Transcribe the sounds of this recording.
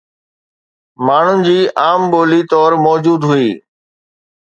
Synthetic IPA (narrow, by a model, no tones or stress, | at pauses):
maːɳ̤ʊnɪ̆d͡ʑiːʔaːmɓoːlit̪ɔːɾmɔːd͡ʑuːd̪ɦʊiː